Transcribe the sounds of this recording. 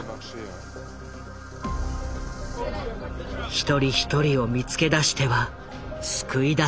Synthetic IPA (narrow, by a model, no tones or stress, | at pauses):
çi̥t̪o̞ɾʲiçi̥t̪o̞ɾʲio̞mʲit͡sɨ̥ke̞d̪aɕi̥t̪e̞βa | sɨ̥kɯ̟id̪a